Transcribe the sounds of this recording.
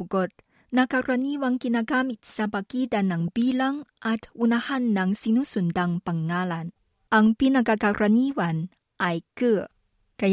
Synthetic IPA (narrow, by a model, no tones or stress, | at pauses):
ɡot̪̚ | nakaɾaniwaŋkinaɡamit̪sapakidanaŋbilaŋʔatunahanːaŋsinusundaŋpaŋːalan | ʔaŋpinakakaɾʔaniwan | ʔajkə | ka